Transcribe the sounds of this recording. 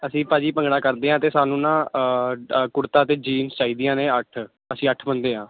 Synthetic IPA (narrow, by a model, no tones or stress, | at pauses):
əsĩːpaːd͡ʒiːpəŋɡɽaːkəɾd̪eːãːt̪eːsaːnũːnãː | kʊɾt̪aːt̪eːd͡ʒiːmst͡ʃaːiːd̪ijãːneːəʈʰ | əsĩːəʈʰbənd̪eːɦãː